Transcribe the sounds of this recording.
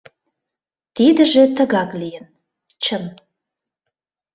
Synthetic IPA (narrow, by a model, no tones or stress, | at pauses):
t̪id̪ə̆ʒet̪ə̆ɣɑklijən | t͡ɕəm